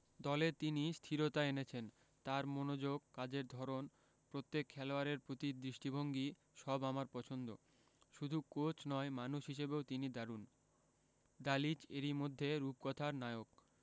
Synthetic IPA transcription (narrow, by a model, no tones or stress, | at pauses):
d̪ɔlet̪inist̪ʰiɾot̪aenet͡ɕʰen | t̪aɾmonod͡ʑoɡ̚kːad͡ʑeɾd̪ʱɔɾon | pɾot̪ːekʰːɛloaɾeɾpɾot̪id̪ɾiʃʈibʱoŋɡi | ʃɔbamaɾpɔt͡ɕʰond̪o̰ | ʃud̪ʱukot͡ɕʰnɔemanuʃɦiʃebeot̪inid̪aɾun | d̪alit͡ɕeɾimod̪ʱːeɾup̚kɔt̪ʰaɾnaeok